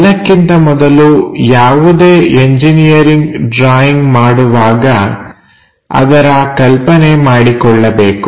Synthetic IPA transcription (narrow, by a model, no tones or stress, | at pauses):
lːɐkːint̪ɐmɔd̪ɐlujaːʋud̪eːeɲd͡ʒinijɐɾiŋɡɖɾaːjiŋɡmaːɽuʋaːɡɐ | ɐ̰d̪ɐɾɐkɐlpɐnemaːɽikɔɭːɐbeːku